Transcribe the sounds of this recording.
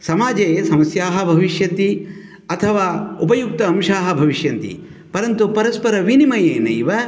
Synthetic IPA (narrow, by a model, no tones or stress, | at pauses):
sɐmaːd͡ʒeːsɐmɐsjaːɦɐ̆bʱɐʋiʃjɐnt̪i | ɐt̪ʰɐʋaːupɐjuk̚t̪ɐːmʃaːɦɐ̆bʱɐʋiʃjɐnt̪ḭ | pɐɾɐnt̪upɐɾɐspɐɾɐʋinimɐjeːnɐjʋɐ